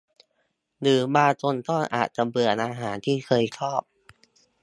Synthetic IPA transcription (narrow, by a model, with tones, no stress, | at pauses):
nɯː˩˦maː˧t͡ɕo˧nt̪ɔ˥˩ŋʔa̰ː˨˩t̪̚t͡ɕa˧mɾɯ˧ə˧nʔaː˧ɦaː˩˦nt̪ʰiː˥˩kʰɤː˧jt͡ɕʰɔː˥˩p̚